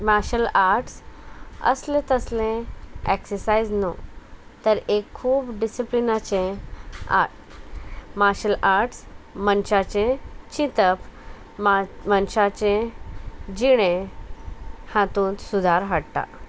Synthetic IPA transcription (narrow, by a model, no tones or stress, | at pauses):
maɕəlaɾʈs | ə̰slẽt̪əslẽeksəsajd͡znot̪əɾekʰːuːbɖisiplinat͡ɕẽ | a̰ | maɕəlaɾʈsmənɕat͡ɕẽt͡ɕit̪əp | mənɕat͡ɕẽ | d͡ʑiɽ̃ẽ | hãt̪ũːnt̪sud̪ʱaɾɦaɽt̪a̰